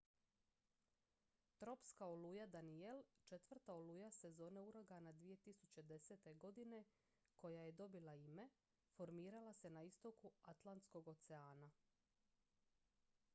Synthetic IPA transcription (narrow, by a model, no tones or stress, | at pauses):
t̪ɾo̞pskaolujad̪anie̞lt͡ʃe̞t̪ʋr̩t̪aoluːjase̞zo̞ːne̞uɾo̞ɡanad̪ʋije̞t̪isut͡ɕe̞d̪e̞seːt̪e̞ɡo̞d̪ine̞ | ko̞jaje̞d̪o̞bilaime̞ | fo̞ɾmiːɾalase̞naist̪o̞kuat̪lˠant̪sko̞ɡo̞t̪seaːna